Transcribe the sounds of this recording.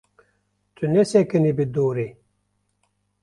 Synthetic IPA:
t͡sunesekənibid̪oːɾi

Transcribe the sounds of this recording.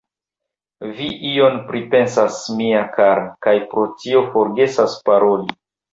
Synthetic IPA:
viʔio̞npɾipe̞nsasmiakaɾakajpɾo̞tio̞fo̞ɾɡe̞saspaɾo̞li

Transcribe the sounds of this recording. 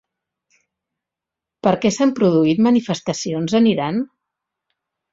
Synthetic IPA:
pəɾkɛsampɾuðuit̪mənifəst̪əsionzəniɾan

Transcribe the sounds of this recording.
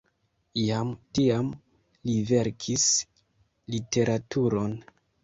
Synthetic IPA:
jamtiam | live̞ɾkʰis | lite̞ɾʔatʰuɾo̞n

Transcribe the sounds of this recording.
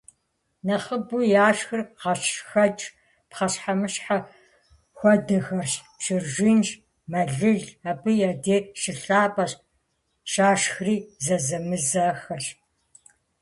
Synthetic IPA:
nɐχəbujaːʃxɨrqɐɕxɐt͡ʃʼ | pχɐɕħamɨɕħa | xʷɔdɐxɐrɕ | ʃɪrʒʷiːnʃ | mɐɮɨɮabɨjadeːrʃɪɬaːpʼɐɕ | ʃaːʃxriːzɐzɐmɨzɐxɐɕ

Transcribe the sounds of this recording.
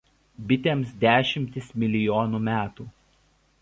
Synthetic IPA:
bʲɪt̪ʲeːmsd̪ʲæːʃʲɪmʲt̪ʲɪsmʲɪlʲɪjoːnuːmʲæːt̪uː

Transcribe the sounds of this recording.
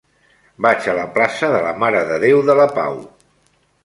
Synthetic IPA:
bat͡ʃələplasəðələmaɾəðəðewðələpa̰w

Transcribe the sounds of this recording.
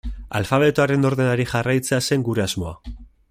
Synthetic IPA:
alfaβ̞e̞t̪oaɾe̞no̞ɾðe̞naɾiʝarajt͡se̞ase̞ŋɡuɾe̞azmo̞a̰

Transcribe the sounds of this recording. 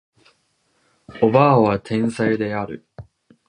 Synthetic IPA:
o̞baβat̪ʰẽ̞ɰ̃said̪e̞aɾɯ̟̰

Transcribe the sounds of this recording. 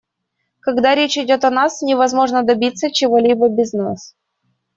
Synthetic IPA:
kɐɡd̪aɾʲet͡ɕɪdʲo̞t̪ɐnasnʲɪvɐzmo̞ʐnəd̪ɐbʲit̪sːət͡ɕɪvo̞lʲibəbʲɪznas

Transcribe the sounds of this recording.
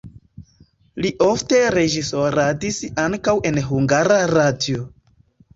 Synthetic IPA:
liʔo̞fte̞ɾe̞d͡ʒiso̞ɾadisaŋkawe̞nɦuŋɡaɾaɾadio

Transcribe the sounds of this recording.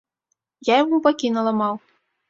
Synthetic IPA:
jajamupakʲinɐlˠamɑw

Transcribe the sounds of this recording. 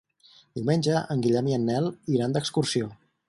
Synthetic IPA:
d̪̥iwmenʲd͡ʒəʔəŋɡiʎɛmiənːɛlˠiɾand̪əkskursio

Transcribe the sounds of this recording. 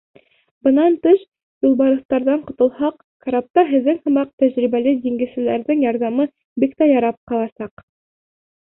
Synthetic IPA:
bɤ̆nɑnt̪ɘʃ | julˠbɑɾɤ̆θt̪ɑɾðɑɴqŏt̪ɤ̆lˠhɑq | kaɾap̚t̪ɑɦɘ̆ðːɘŋhɤ̆mɑq̚t̪æʑɾiβælɘd̪iŋɡɘ̆sɘ̆læɾðɘŋjɑɾðɑmɤ | bikt̪æjɑɾɑp̚qɑlˠɑsɑq

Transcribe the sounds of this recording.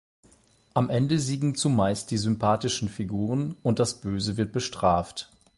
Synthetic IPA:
ʔamʔɛndəziːɡŋ̩t͡sumaɪst̚d̥iːzʏmpʰaːtɪʃn̩fiɡuːʁ̞ənʊnt̚d̥asb̥øːzəvɪɐt̚b̥əʃtʁ̥aːft

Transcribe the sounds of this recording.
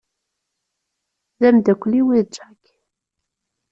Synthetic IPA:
ðæmd̪ækʷːliwiðd͡ʒak

